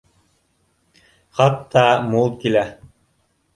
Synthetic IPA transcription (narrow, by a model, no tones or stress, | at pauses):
χɑt̪ːɑmulˠkilæ